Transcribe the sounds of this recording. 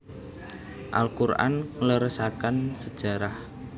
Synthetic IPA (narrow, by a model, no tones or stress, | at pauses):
ʔa̰lkurʔa̰nləɾəsakansəd̥ʒ̥a̤ɾah